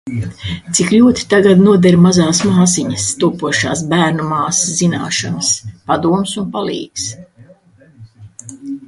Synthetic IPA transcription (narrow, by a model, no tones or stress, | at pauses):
t̪sikʎuːt̪i̥t̪aɡad̪nuɔd̪ɛɾmazaːsmaːsiɲɐst̪uːpuɔʃa̰ːsbæːɾnumaːszina̰ːʃanɐspad̪uɔmsunpalˠḭːks